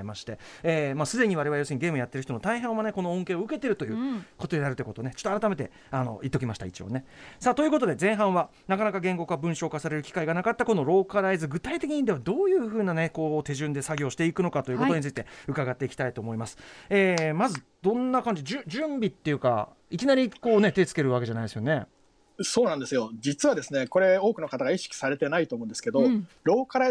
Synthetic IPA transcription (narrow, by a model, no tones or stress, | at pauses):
imaɕi̥t̪e̞ | eːmaːsɨd̪e̞ɲ̟iβaɾe̞βajo̞seɨɲiɡe̞ːmɯ̟jat̪ːeɯ̟çit̪onot̪aiɦãɰ̃βane̞ko̞noõŋke̞ːoɯ̟ke̞t̪e̞ɾɯ̟t̪o̞jɯ̟ːko̞t̪o̞d̪enaɾɯ̟t̪oɯ̟kot̪oːne̞t͡ɕot̪ːoaɾat̪ame̞t̪e̞ | ano̞̰ʔit̪ːo̞kʲimaɕi̥t̪ait͡ɕio̰ne̞saːt̪o̞jɯ̟ko̞t̪o̞d̪e̞zẽ̞ɰ̃ɦãɰ̃βa | nakanakaɡẽ̞ŋɡo̞kabɯ̟̃ɰ̃ɕo̞ːkasaɾe̞ɾɯ̟kʲi̥kaiɡanakat̪ːako̞no̞ɾo̞ːkaɾaizɨɡɯ̟t̪ait̪e̞kʲiɲ̟ĩnd̪e̞βad̪o̞ːjɯ̟ːɸɯ̟ːnane̞ko̞ːt̪e̞ʑɨ̃nd̪e̞saɡʲo̞ːɕi̥t̪e̞ikɯ̟no̞kat̪o̞jɯ̟ːkot̪o̞ɲit͡sɨit̪e̞ɯ̟kaɡat̪ːe̞ikʲi̥t̪ait̪o̞ːmo̞imasɨ̥eːmazɨ | d̪̥õ̞nːakãɲ̟d͡ʑiʑɨ̃ʑɨ̃mbʲit̪ːe̞jɯ̟ka̰ | ikʲinaɾʲiko̞ːne̞t̪e̞t͡sɨ̥ke̞ɾɯ̟βak̬e̞ʑanaid̪esɨjone̞ | so̞ːnãnd̪e̞sɨjo̞d͡ʑit͡sɨβad̪e̞sɨne̞ko̞ɾe̞o̞ːkɯnokat̪aɡaiɕi̥kʲi̥saɾe̞t̪e̞nait̪o̞ːmõd̪esɨ̥ke̞d̪oɾo̞ːkaɾa